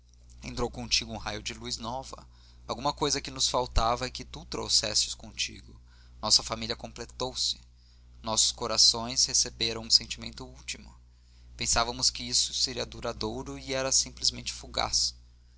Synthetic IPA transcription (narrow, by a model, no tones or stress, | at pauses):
ẽnt̪ɾowkõt͡ʃiɡʊũhajʊd͡ʒɪlujznɔvɐ̰ | awɡũmɐkojzɐkɪnʊsfawt̪avɐɛkɪt̪ut̪ɾo̰wsɛ̰sɪ̥skõt͡ʃḭɡʊ | nɔsɐfamiliɐkõmplet̪owsɪ̥ | nɔsʊ̥skoɾasõj̃shesebeɾɐ̃w̃ũsẽnt͡ʃimẽnt̪ʊut͡ʃimʊ | pẽsavɐmʊskɪisʊ̥seɾiɐd̪uɾad̪oɾʊiɛɾɐsĩmplɪzmẽnt͡ʃɪ̥fuɡa̰s